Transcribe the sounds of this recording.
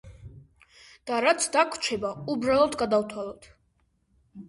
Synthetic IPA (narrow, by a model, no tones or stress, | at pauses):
d̪̥aɾat̪sʰd̪akʰt͡ʃʰɛbaubɾalˠɔt̪ʰɡad̪awt̪ʰwalˠɔt̪ʰ